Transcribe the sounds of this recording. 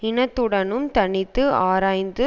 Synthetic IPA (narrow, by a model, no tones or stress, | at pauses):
ɪnɐt̪ːɯɽɐnɯmt̪ɐɳɪt̪ːɯaːɾaːjnd̪ɯ